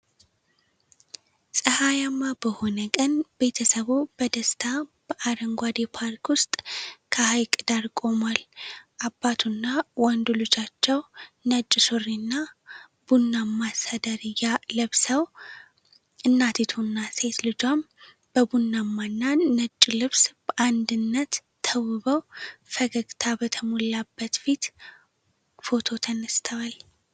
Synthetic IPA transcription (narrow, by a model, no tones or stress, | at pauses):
sʼəhajamːabəho̞nəkʼənbe̞t̪ʰəsəβub̥əd̪əst̪ʰab̥əʔaɾəŋɡʷad̪epʰaɾkwʊst̪ʼkʰəhajkʼɨd̪aɾkʼo̞malʔabːat̪ʰunːawɔnd̪ulɨt͡ʃːat͡ʃːɛwnət͡ʃʼːɪsorːinːa | b̥unːamːasad̪əɾjaləβsəw | ʔɨnːat̪ʰit̪ʰunːase̞t̪lɨd͡ʒam | b̥əbunːamːanːanət͡ʃʼːlɨβsb̥əʔand̪ɨnːət̪ʰː | əwɨβəwfəɡəɡt̪ʰabət̪ʰəmolabːət̪fit̪ | fo̞t̪ʰo̞t̪ʰənəst̪ʰəwal